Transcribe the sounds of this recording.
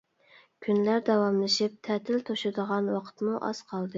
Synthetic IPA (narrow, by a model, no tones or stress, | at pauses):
kʲʰynlæɾd̪ɑwɑmlˠɨʃip̚t̪ʰɛt̪ʰɪlt̪ʰoʃɪd̪əʁɑnwɑqʰə̥t̪muʔɑ̰z̥qʰɑlˠd̪ɨ